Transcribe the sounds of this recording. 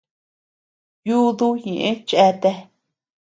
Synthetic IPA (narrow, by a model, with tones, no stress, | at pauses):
ju˦ðu˦ɲẽ˨ʔẽ˦t͡ʃe˧t̪e˧